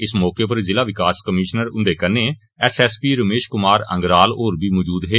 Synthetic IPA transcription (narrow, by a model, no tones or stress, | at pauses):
ɪsmɔːkeːp̬əɾzɪlaːʋɪkaːskəmiːʃnəɾʊ̰̃nd̪eːkənːeː | ɛːsɛːspiːɾəmeːʃkʊmaːɾə̰̃ŋɡɾaːloːɾbiːmɔːd͡ʒuːd̪ɦeː